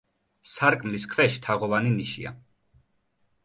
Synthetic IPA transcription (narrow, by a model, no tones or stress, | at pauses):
saɾkʼmliskʰvɛʃi̥t̪ʰaʁɔvaniniʃḭa̰